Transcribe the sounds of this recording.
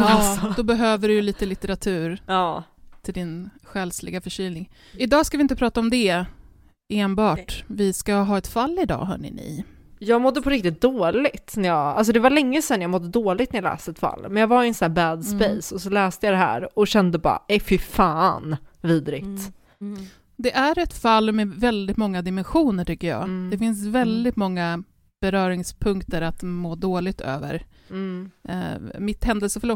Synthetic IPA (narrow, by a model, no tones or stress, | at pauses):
d̪ɔbɛɦøːvəɖɵjliːt̪əlɪt̪ɛɾat̪ʰʉ̟ːɾɑːt̪ʰɪld̪ɪnɧɛlslɪ̰ɡafœʂyːlnɪŋ | ɪd̪ɑːskavɪɪnt̪əpʰɾɑːt̪aɔmd̪ɛ | eːnbɑːʈvɪskaɦɑːɛt̪falːɪd̪ɑ̰ːɦœ̰ːɳɪ̰nɪ̰ | jɑːɡmɔd̪ːəpʰɔɾɪkt̪ɪt̪̚d̪oːlɪɡt̪næɾjɑɡals̬ɔd̪ɛvalɛŋːəsɛnːjɑmɔd̪ːəd̪oːlɪɡt̪æjalɛ̰ːst̪əɛt̪fa̰lːmɛnjɑːɡvaɾɪnsnæːbæd̪spɛjsɔsɔlɛːst̪əjad̪ɛɦæ̰ːɾɔɕɛnd̪əbɑ̰ːɾa̰ʔɛfɪfɑːnviːd̪ɾɪt̪ | d̪ɛʔæɾɛt̪falːmɛvɛld̪ɪt̪mɔŋːad̪ɪmɛnɧuːnəʈʏkːəjɑ̰ːd̪̥ɛfɪnsvɛld̪ɪt̪mɔŋːa | b̥ɛɾœːɾɪŋspʰɵŋkt̪əɾat̪moːd̪oːlɪɡ̚t̪ʰø̰ːvə̰ɾ | mɪt̪hɛnd̪əlsəfœɭɔ